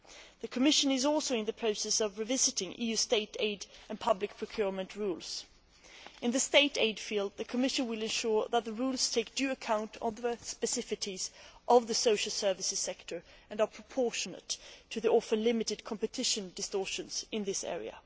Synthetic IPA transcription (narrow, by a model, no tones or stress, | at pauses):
ðɨkʰəmɪʃɨ̃nɨzɔlˠsoʊɨ̃nðɨpʰɹ̥oʊsɛsʌvɹɨvɪzɨɾɪ̃ŋʔḭjʉsteɪɾḛɪɾɨ̃npʰʌblɨk̚pʰɹ̥ɨkʰj̥ʊɹmɨ̃nʔɹulˠz̥ | ɨ̃nðɨsteɪɾḛɪd̥filˠd̪̚ðɨkʰəmɪʃɨ̃nwɨlˠɨ̃nʃʊɹðət̪̚ðəɹulˠz̥tʰeɪk̚d̥jʉɨkʰãʊ̃ntʰnðəspɨsɪfɨɾizʔʌvðɨsoʊʃl̩ˠsɜ˞vɨsɨz̥sɛk̚tʰə˞ɨ̃nə˞pʰɹ̥əpʰɔɹʃɨnə̰tʰːɨðiʔɔfɨ̃nlɪ̃mɨɾɨd̚kʰɑ̃mpɨtʰɪʃɨ̃ndɨstɔɹʃɨ̃nz̥ɨ̃nðɪsɛ̰ɹḭə̰